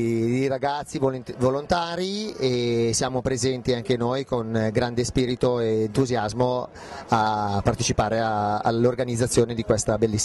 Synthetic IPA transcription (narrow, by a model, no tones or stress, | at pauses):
d̪iraɡat̪sːivvolont̪aːɾiesjaːmopɾezɛnt̪iaŋk̟enojkonɡɾand̪espiːɾit̪oeːnt̪uzjazmo | apːart̪et͡ʃipaːɾeaa̰lːorɡanid̪zːat̪sːjoːned̪ikwest̪abelːisː